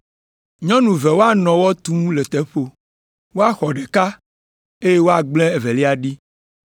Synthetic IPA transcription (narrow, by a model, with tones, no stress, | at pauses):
ɲɔ̃˦nũ˨vɛ˨wo˦a˨nɔ̃˨wɔ˦t̪ũ˦le˨t̪ɛ˦ɸo˨ | wo˦a˨xɔ˨ɖe˨ka˦ | e˦je˦wo˦a˨ɡ͡blɛ̃˦e˨vɛ˨li˦a˨ɖi˦